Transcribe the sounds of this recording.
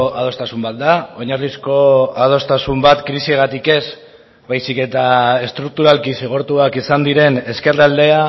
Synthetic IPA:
að̞o̞st̪asumbat̪̚d̪ao̞ɲarlisko̞að̞o̞st̪asumbat̪kɾisieɣat̪ike̞z | bajsike̞t̪ae̞st̪ɾuk̚t̪uɾalkiseɣ̞o̞ɾt̪uakisand̪iɾe̞ne̞ske̞rald̪e̞a

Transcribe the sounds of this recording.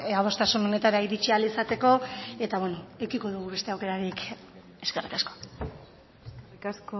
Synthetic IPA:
aβ̞o̞st̪asuno̞ne̞t̪aɾaiɾit͡ʃialisat̪e̞ko̞e̞t̪aβwenoekiko̞ðuɣ̞uβe̞st̪e̞awke̞ɾaɾik | e̞ske̞rikasko̞̥ | sk

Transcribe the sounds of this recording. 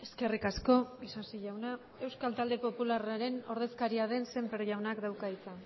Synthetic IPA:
e̞ske̞rikasko̞isansiʎawna | e̞wskalt̪ald̪e̞po̞pularaɾe̞no̞ɾð̞e̞skaɾiaðe̞nse̞mpeɾʝawnakd̪awkait͡sa

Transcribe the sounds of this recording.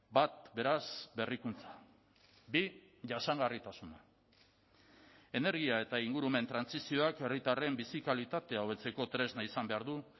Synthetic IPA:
bat̪̚be̞ɾasbe̞rikunt͡sḁ | bi | ʝaʃaŋɡarit̪asuna | e̞ne̞ɾɣiae̞t̪aiŋɡuɾume̞nt̪ɾansisio̞ake̞rit̪are̞mbisikalit̪at̪e̞aoβe̞t͡se̞ko̞t̪ɾe̞znaisambe̞aɾðu

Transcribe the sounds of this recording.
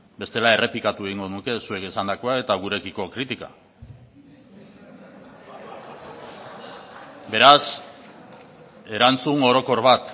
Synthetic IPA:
be̞st̪e̞lae̞re̞plikat̪ue̞ɣ̞iŋɡo̞ðunuke̞sue̞kesand̪ako̞ae̞t̪aɣ̞uɾe̞kiko̞kɾit̪ika̰ | be̞ɾas | e̞ɾant͡suŋo̞ɾo̞ko̞ɾβat̪

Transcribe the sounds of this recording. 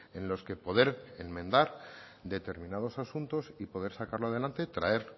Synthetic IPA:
e̞nlo̞ske̞po̞ðe̞ɾemmẽ̞nd̪aɾ | d̪e̞t̪e̞ɾmĩnað̞o̞sasunt̪o̞sipo̞ðe̞ɾsakaɾloað̞e̞lant̪et̪ɾae̞ɾ

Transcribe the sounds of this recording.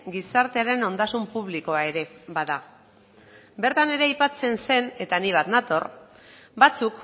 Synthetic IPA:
ɡisaɾt̪e̞aɾe̞no̞nd̪asumpuβ̞liko̞ae̞ɾe̞baða | be̞ɾt̪ane̞ɾe̞ajpat͡se̞nse̞ne̞t̪aniβ̞at̪nat̪o̞r | bat͡suk

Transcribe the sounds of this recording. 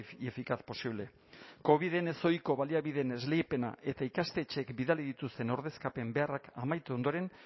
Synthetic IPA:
efikaθpo̞siβle̞ | ko̞β̞iðe̞ne̞so̞jko̞βaliaβiðe̞ne̞zle̞jpe̞na̰ʔe̞t̪aikast̪e̞t͡ʃekbiðaliðit̪ust̪e̞no̞ɾðe̞skape̞mbe̞arakamajt̪eond̪o̞ɾe̞n

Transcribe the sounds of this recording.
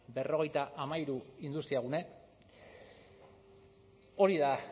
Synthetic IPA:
be̞ro̞ɣe̞jt̪aʔamaiɾuind̪ust̪iaɣune̞ | o̞ɾiða

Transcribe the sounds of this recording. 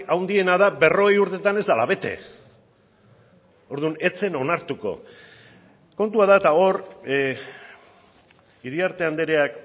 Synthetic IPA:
awnd̪ie̞naðabe̞ro̞ɣejuɾt̪e̞t̪ane̞zd̪ala̰βe̞t̪e̞̰ | o̞ɾðune̞t͡se̞no̞naɾt̪uko̞̰ | ko̞nt̪uaðaet̪ao̞ɾ | iðiaɾt̪e̞and̪e̞ɾeak

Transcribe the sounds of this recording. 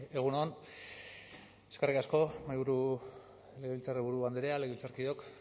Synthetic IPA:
eɣ̞unoan | eskerikasko̞majβuɾu | leɣeilt͡sariβuɾuβand̪eɾeale̞ɣeilt͡saɾkiðo̞k

